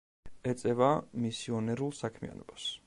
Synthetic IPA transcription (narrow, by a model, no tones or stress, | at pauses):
ɛt̪sʼɛvamisiɔnɛɾulˠsakʰmḭa̰nɔb̥as